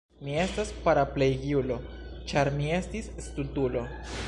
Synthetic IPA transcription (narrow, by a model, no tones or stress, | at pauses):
mie̞staspaɾaplejɡiulo̞ | t͡ʃaɾmie̞stisstutulo̞